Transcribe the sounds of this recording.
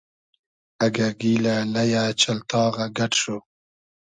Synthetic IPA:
aɡaɡilalajaːt͡ʃalt̪ɑːɣaɡaʈʃo

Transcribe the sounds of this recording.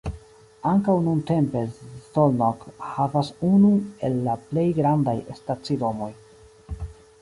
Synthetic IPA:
aŋkawnunte̞mpe̞tolnokhavasunue̞lːaple̞jɡɾandajestat͡sido̞mo̞j

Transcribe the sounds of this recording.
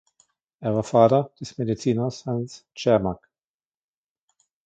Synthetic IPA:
ʔeːɐvaːɐfaːtɐd̥ɛsmedit͡siːnɐshanst͡ʃɛɐmak

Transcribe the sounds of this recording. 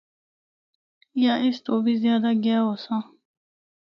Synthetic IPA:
jaʔɪst̪oːbizjaːd̪aɡaːosã

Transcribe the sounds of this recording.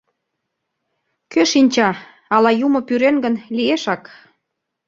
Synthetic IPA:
køʃinʲt͡ɕɑ | ɑlɑjumŏpyɾenɡə̆nlieʃɑk

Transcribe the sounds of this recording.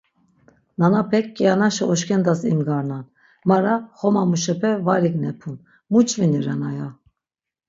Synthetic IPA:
nanapʰɛkːianaʃɛɔʃkʰɛnd̪asimɡaɾnan | maɾaχɔmamuʃɛpʰɛvaɾiɡnɛpʰun | mut͡ʃʼviniɾanaja

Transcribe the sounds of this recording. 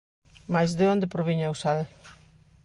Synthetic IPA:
majzðeond̪epɾoβiɲawsaðe

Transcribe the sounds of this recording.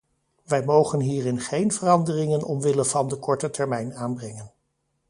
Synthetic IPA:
ʋɛjmowχənɦiːrɪnχejnvərɑndərɪŋənɔ̰mʋɪlənvɑndəkɔɹtətɛɹmɛjnaːnbrɛŋən

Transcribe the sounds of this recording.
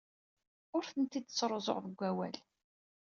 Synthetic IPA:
ʊɾθənt̪id̪̚t͡sːɾˤozˤo̰ʁðəɡʷːæwæl

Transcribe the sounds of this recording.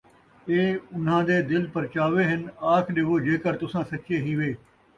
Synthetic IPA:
eːʊnãːd̪eːd̪ɪlpəɾt͡ʃaːʋeːɦɪnaːkʰɗeːʋoːd͡ʒeːkəɾt̪ʊsãːsəkeːɦiːʋeː

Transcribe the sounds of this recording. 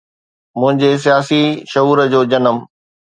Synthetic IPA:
mʊ̃ɦɪ̃ɲd͡ʑes̬ijaːsiʃɐɦuːɾəd͡ʑoːd͡ʑɐnəm

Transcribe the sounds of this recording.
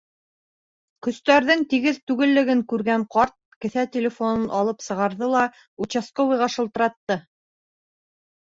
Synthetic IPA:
kɵ̆st̪æɾðɘŋt̪iɡɘðt̪ʉɡɘ̆lːɘ̆ɡɘŋkʉɾɡæɴqɑɾt̪̚kɘ̆θæt̪ʲelʲɪfonɤnʔɑlˠɤpsɤ̆ʁɑɾðɤlˠɑ | ut͡ɕaskovɤjʁɑʃɤ̆lˠt̪ɤ̆ɾɑt̪ːɤ

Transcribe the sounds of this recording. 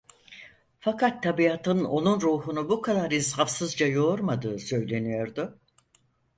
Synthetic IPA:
fakʰat̪ʰːabiat̪ʰɯno̞nunɾuːɦunubukʰad̪aɾinsafsɯzd͡ʒajo̞ɾmad̪ɯːsø̞jlʲe̞nijo̞ɾd̪ʊ

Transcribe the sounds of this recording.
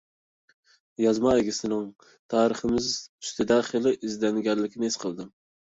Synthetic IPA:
jɑzmɑeɡʲɪsɪnɪŋ | t̪ʰɑːɾɨχɨmɪzy̥st̪ʰɪd̪ɛχelˠɪʔizd̪ɛnɡʲæɾlɪkʲɪnɪesqʰəlˠd̪ɨm

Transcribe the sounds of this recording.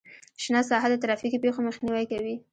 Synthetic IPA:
ʃnɑsɑɦad̪ət̪ɾɑfikipexoməxniwajkawi

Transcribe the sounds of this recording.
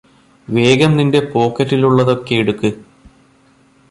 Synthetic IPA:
ʋe̞ːɡɐmninde̞po̞ːkːɐɾːiluɭːɐðo̞kːe̞jiɽukːɨ

